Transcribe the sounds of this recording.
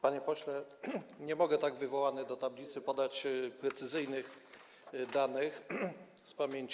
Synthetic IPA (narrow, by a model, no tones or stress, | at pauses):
paɲɛpɔɕlɛɲɛmɔɡɛt̪aɡvɘvɔwanɘd̪ɔt̪ablʲit̪sɘpɔd̪at͡ɕpɾɛt̪sɘzɘjnɘx | d̪anɘxspamʲjeɲt͡ɕ